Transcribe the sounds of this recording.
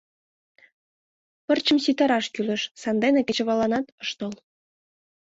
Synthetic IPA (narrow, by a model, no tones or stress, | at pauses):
pə̆rt͡ɕə̆msit̪ɑɾɑʃkylə̆ʃsɑnd̪enekĕt͡ɕĕβɑlɑnɑt̪ɤ̆ʃt̪ɤ̆lˠ